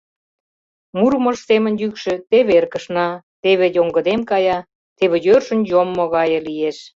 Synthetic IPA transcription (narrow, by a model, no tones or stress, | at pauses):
murmə̆ʃsemə̆njykʃĕt̪eβerkə̆ʃnɑt̪eβejoŋɡə̆d̪emkɑjɑ | t̪eβĕjørʃə̆njomːoɣɑjɤ̆lieʃ